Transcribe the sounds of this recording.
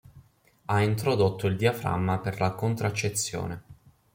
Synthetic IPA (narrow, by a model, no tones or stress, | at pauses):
aint̪ɾod̪ot̪ːoild̪iafɾa̰mːaperlakont̪ɾat͡ʃːet̪sːjo̰ːne